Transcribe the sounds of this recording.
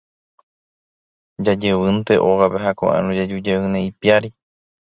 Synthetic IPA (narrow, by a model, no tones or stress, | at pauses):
d͡ʒad͡ʒeʋɨnt̪e̞ʔoɣapeɦako̰ʔã̰nũd͡ʒad͡ʒud͡ʒewɨnẽipiaɾi